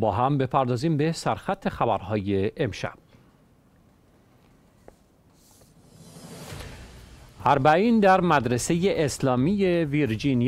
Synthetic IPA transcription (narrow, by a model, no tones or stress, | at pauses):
bɒːɦæmbe̞pʰæɾd̪ɒːziːmbe̞sæɾxæt̪ʰːe̞xæbæɾhɒːje̞ʔːmʃæ̰b̥̚ | hæɾbæʔiːnd̪æɾmæd̪ɾe̞se̞jeʔeslɒːmiːjeviɾd͡ʒini